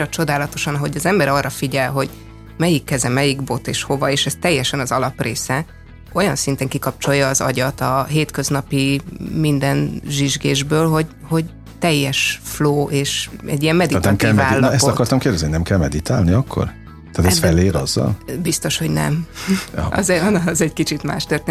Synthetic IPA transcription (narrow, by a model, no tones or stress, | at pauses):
ɒt͡ʃo̞d̪aːlɒt̪o̞ʃɒnɒɦo̞ɟɒzɛmbɛɾɒrːɒfiɟɛlɦo̞ɟ | mɛjikːɛzɛmɛjiɡbo̞t̪eːʃho̞vɒeːʃɛst̪ɛjːɛʃɛnɒzɒlɒpreːsɛ | o̞jɒnsint̪ɛŋkikɒp̚t͡ʃo̞jːɒːzɒ̰ɟɒt̪ɒɦeːt̪køznɒpimind̪ɛnʒiʒɡeːʒbøːlɦo̞ɟ | ho̞ɟ | t̪ɛjːɛʃfloːʔeːʃɛ̰ɟːijɛmːɛd̪it̪nɛmkɛvɛaːlːɛst̪ɒkɒrt̪ɒmkeːrd̪ɛzninɛmkɛlmɛd̪it̪aːlniɒkːo̰r | t̪aːt̪ɛsfɛlːeːɾɒzːɒ̰lbist̪o̞ʃhoɟnɛ̰m | ɒ̰zɛnɒzɛɟkit͡ʃit̪ma̰ːʃt̪ørt̪e